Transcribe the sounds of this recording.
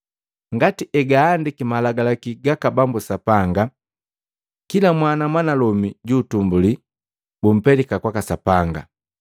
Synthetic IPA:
ŋɡatiʔɛɡaːndikimalaɡalakiɡakabambusapaŋɡa | kilamwanamwanalɔmiɟuːtumbuli | bum̩pɛlikakwakasapaŋɡa̰

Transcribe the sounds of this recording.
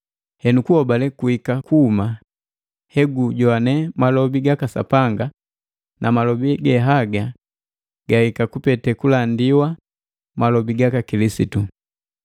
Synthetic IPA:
hɛnukuhɔbalɛkuhikakuːma | hɛɡuɟɔanɛmalɔbiɡakasa̰paŋɡa | nʔamalɔbiɡɛɦaɡa | ɡ̥ahikakupɛtɛkulandiwa | malɔbiɡakakilisitu

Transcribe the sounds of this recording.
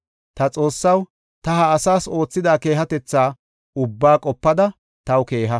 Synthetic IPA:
t̪ɐt͡sʼo̞ːsːɐw | t̪ɐɦɐːsaːso̞ːt͡sːɪd̪aːke̞ːɦɐt̪ɛt͡sːaː | ʊbːaːkʼɔpːɐd̪ɐ | t̪ɐwke̞ːɦɐ

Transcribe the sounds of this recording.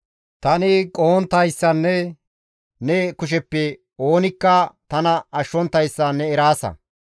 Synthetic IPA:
t̪ɐnɪkʼoːnt̪ɐjsːɐnːɛ | nɛkʊʃ̬ɛpːɛ | o̞ːnɪkːɐt̪ɐnɐɐʃːɔnt̪ːɐjsːɐnːɛɛɾaːsɐ̰

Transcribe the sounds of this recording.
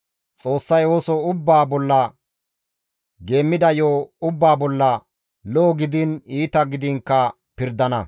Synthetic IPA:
t͡sʼo̞ːsːɐjwoːsɔʊbːaːbɔlːɐ | ɡe̞ːmːɪd̪ɐjoːʊbːaːbɔlːɐ | lɔːɡɪd̪ɪniːt̪ɐɡɪd̪ɪŋkːɐ | pɪɾd̪ɐnɐ

